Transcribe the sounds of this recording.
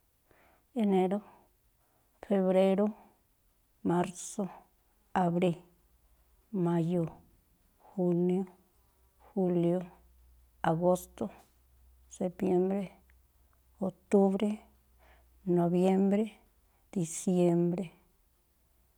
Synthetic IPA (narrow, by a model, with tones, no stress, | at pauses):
e˧ne˧ɾo˦ | fe˧βɾe˦ɾo˦ | ma˦ɾso˦ | a˨βɾi˧l | mã˧jo˨ | xu˧njo˦ | xu˦ljo˧ | a˨ɣo˦st̪o˦ | se˨pje˦mbɾe˦ | o˨t̪u˦βɾe˦ | nõ˨βje˦mbɾe˦ | d̪̥i˨sje˧mbɾe˦